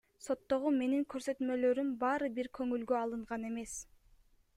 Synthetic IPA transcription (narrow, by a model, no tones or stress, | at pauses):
so̞t̪ːo̞ʁume̞niŋkø̞ɾsø̞t̪mø̞lø̞ɾymbɑːɾɯbiɾkʰø̞ŋylɡøɑlˠɯɴʁɑne̞me̞s